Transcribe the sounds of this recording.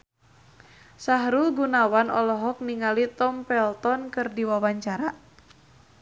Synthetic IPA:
saɦɾulɡunawanɔ̰lɔɦɔk̚niŋalit̪ɔmpɛlt̪ɔnkɨrdiwawaɲt͡ʃaɾa

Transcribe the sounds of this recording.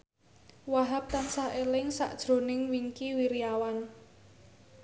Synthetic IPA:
waɦap̚t̪ansahʔelɪŋsa̰ʔd̥ʒ̥ɾo̤nɪŋwiŋkiwiɾiawan

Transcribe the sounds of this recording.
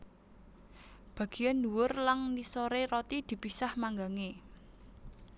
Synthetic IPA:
b̥ä̤ɡ̥i̤janduwʊrlaŋnisoɾeɾot̪id̪̥i̤pisahmaŋɡaŋe

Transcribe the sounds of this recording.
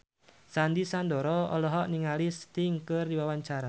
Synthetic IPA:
sandisand̪ɔɾɔɔ̰lɔɦɔʔniŋalɪst̪iŋkərdiwawaɲt͡ʃaɾa

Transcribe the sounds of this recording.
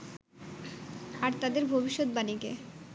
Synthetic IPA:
aɾt̪ad̪eɾbʱobiʃːot̪̚banike

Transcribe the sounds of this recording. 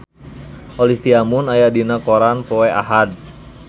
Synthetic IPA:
ʔɔliht̪iamunajadinakoɾanpɔɛʔa̰ɦad̚

